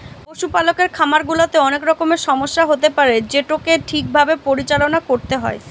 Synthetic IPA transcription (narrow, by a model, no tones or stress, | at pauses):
oʃupalokeɾkʰamaɾɡulat̪eɔnekɾɔkomeɾʃɔmoʃːaɦot̪epaɾed͡ʑeʈokeʈʰik̚bʱabepoɾit͡ɕalonakoɾt̪eɦɔe